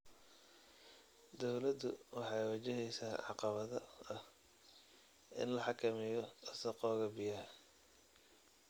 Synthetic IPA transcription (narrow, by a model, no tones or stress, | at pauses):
d̪ɔwlɐd̪ʊ̰wɑħɑjwɐt͡ʃɪɦɛjsaːʕɑ̰qɑβɐðɐɐh | ɪ̰nlɐħɑkʰɐmɪjɔɐsɐqɔːɣɐbɪjɐh